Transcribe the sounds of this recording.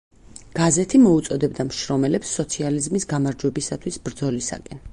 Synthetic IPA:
ɡ̥azɛt̪ʰimɔut̪sʼɔd̪ɛbd̪amʃɾɔmɛlɛpsːɔt̪sʰializmisɡamaɾd͡ʒwɛbisat̪ʰwisbɾd̪zɔlisa̰kʼɛn

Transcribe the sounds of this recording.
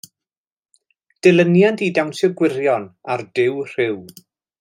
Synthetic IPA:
d̥ɛlˠənjandidawnsɛɡwɪɾjɔnardɪwr̥ɪw

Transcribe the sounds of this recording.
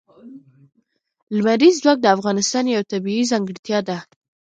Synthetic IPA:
lmaɾizzwɑk̚d̪əafɣɑnɪst̪ɑnjawt̪abiizɑŋɡəɽt̪jɑd̪a

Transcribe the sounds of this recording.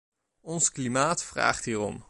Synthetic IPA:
ɔnsklimaːtfra̰ːχtɦiːrɔ̰m

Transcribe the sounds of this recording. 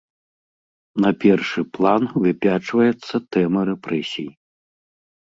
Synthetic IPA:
nɐpʲɛrʂɨplˠanvɨpʲat͡ʂvɐjɛt̪sːɐt̪ɛmɐɾɛpɾɛsʲiji

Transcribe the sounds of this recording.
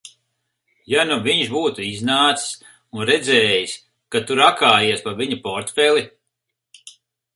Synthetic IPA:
januviɲʃbuːt̪uiznaːt̪ss | unɾɛd̪zɛːjis | kat̪uɾakaːjiɛspavʲiɲupɔɾt̪fɛli

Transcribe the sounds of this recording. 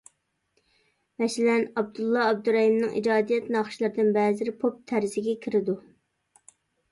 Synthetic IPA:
mɛsɪlɛnɑb̚d̪ulˠːɑɑb̚d̪uɾɑhimnɨŋʔḭd͡ʒɑːd̪ijɛt̪nɑχʃlˠɨɾd̪ɪnbɛzɪɾpʰop̚t̪ʰæɾzɪɡʲɛkʲʰiɾɪd̪u

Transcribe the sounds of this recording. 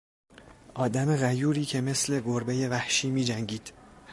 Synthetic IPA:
ʔɒːd̪æme̞ɣæjuːɾiːcʰe̞me̞sle̞ɡoɾbeje̞væhʃiːmiːd͡ʒæŋɟiːd̪̥

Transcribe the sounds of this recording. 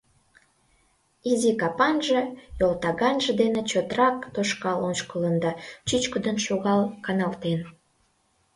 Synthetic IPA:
izikɑpɑnʒejolt̪ɑɣɑnʒə̆d̪enet͡ɕot̪rɑk̚t̪oʃkɑlont͡ɕkələnd̪ɑt͡ɕyt͡ɕkəd̪ənʃoɣɑlkɑnɑlt̪en

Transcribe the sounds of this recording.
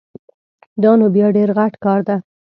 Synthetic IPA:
d̪ɑnobjɑɖeɾɣaʈkɑɾd̪a

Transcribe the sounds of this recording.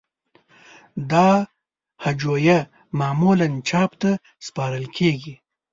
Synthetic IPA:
d̪ɑ | had͡ʒoja | mɑːmulant͡ʃɑpt̪a | spɑɾəlkʰeɡi

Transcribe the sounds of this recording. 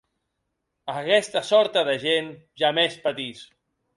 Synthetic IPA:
əkɛst̪əsɔɾt̪əðəʒenʒamespət̪is

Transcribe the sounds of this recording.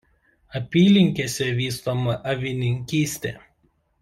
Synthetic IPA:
ɐpʲiːlʲɪŋʲkʲeːsʲɛʋʲiːst̪omɐʔɐʋʲɪnʲɪŋʲkʲiːsʲt̪ʲeː

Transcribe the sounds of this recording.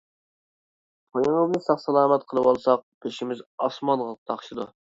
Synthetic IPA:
pʰojəŋəbnɨsɑχsɑlˠɑːmɛt̪̚qʰəlˠəwɑlˠsɑq̚b̥eʃimɪzɑsmɑnʁəlˠqt̪ʰɑχʃɨd̪u

